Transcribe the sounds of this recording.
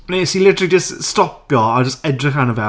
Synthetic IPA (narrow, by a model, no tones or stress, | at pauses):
nesilɪtəɾlid͡ʒɪststɔpjɔad͡ʒəstɛdrɪχanəvɛ